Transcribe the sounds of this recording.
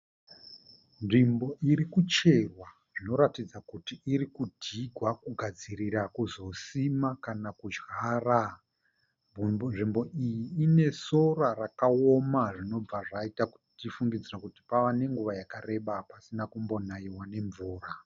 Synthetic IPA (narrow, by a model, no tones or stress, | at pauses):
nʐimbo̞ʔiɾikut͡ʃe̞rwa | ʐ̥ino̞ɾatid͡zakutiːɾikudʱiɡʱwakuɡʱad͡ziɾiɾakuzo̞simakanakud͡ʒɣaːra | nʐimbo̞ijiːne̞so̞rarakao̞maʐino̞b͡vaʐaitaku̥ | tifuŋɡid͡zirakuti̥paʋane̞ŋɡuʋajakare̞ɓapasinakumbo̞naiwane̞ɱvuːra